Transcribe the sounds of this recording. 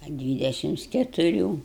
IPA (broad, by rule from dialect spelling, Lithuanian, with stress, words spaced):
ɐ ˈdʲʋʲiːdʲɛʃʲɪms kʲɛtʊˈrʲuː